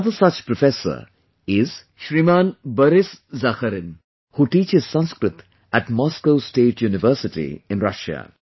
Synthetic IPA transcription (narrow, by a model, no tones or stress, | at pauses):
d̪əsʌt͡ʃpɾɔfesə̰ɾ | ɪz | ʃɾimãːnbəɾɪszaxəɾɪ̃n | huʈiːt͡ʃɪz̥sʌ̃nskɾɪt̪ | æʈmɔːskoʊsʈeːʈʰjuːnɪʋəːɾsɪʈḭɪ̃nɾʌʃa̰